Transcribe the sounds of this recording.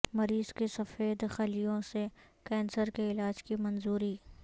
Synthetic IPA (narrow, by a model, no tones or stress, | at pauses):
mɐɾiːz̥kesɐfeːd̪xɐlijõse | kɛ̃ːnsəɾkeɪlaːd͡ʒkimɐnzuːɾiː